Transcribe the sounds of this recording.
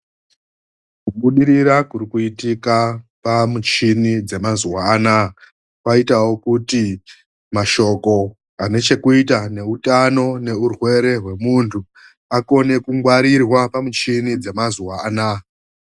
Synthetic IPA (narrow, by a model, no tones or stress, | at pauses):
kuɓuɗiɾiɾakuɾikuitikapamut͡ʃinid͡ze̞mazuwaːna | kwaitawo̞kuti | maʃo̞ko̞ | ane̞t͡ʃe̞kuitane̞utano̞ne̞urwe̞ɾe̞ɦwe̞muntʰu | ako̞ne̞kuŋɡwaɾirwapamut͡ʃinid͡ze̞mazuwaːna